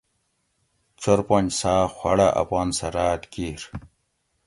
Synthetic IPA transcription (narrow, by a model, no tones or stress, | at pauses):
t͡ɕoɾpond͡ʑsaːxwɐɽaʔɐ̰paːnsɐɾaːt̪kiɾ